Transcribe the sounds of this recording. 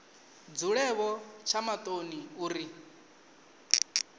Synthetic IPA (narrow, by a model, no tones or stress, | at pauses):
d͡zuɺɛβɔt͡ʃʰamat̪ʼoniuːɾi